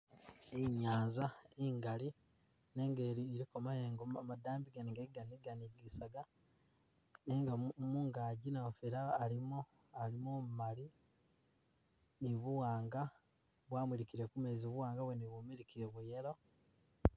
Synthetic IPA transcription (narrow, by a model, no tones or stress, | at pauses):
eiɲaːnzaeːŋɡali | ne̞ːŋɡeːɾieɾiko̞majeŋɡomadaːmbiɡaniŋɡeiɡaniɡaniɡisaɡa | neŋɡamuːŋɡaːɟinefiɾaːlimo | alimoːmumali | niβuwaːŋɡa | βwaːmwiɾikiɾekumeːzioβuwaːŋɡaβweniβumiɾikiɾeβujeɾo̞